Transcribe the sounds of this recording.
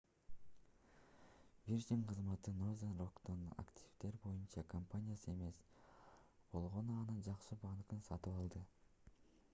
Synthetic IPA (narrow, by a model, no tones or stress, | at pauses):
vʲiɾd͡ʒʲiɴqʰɯzmɑt̪ɯnozenrokt̪ona̰ktʲʰivt̪e̞ɾbo̞junt͡ʃɑkʰampanʲijasɯe̞me̞s | b̥o̞lˠʁo̞nuɑnɯnd͡ʒɑqʃɯbaŋkɯnsɑt̪ɯpɑlˠd̪ɯ